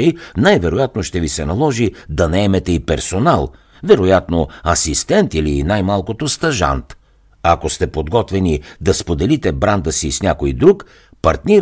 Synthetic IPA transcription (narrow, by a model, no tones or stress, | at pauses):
ɛjnajvɛɾojat̪̚noʃt̪ɛvisɛnɐlˠɔʒid̪ɐnɐɛmɛt̪ɛipɛɾsonalˠ | vɛɾojat̪noɐsist̪ɛnt̪ilinajmalˠkot̪ost̪ɐʒa̰nt̪ | ɐkost̪ɛpod̪ɡɔt̪vɛnid̪ɐspod̪ɛlit̪ɛbɾand̪əsisnʲakoid̪ɾuk | pɐɾt̪nʲi